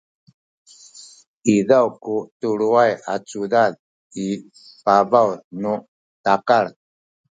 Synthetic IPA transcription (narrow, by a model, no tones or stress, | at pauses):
iðawkutuɭuaja̰t͡sudað | i | pavawnu | takaɭ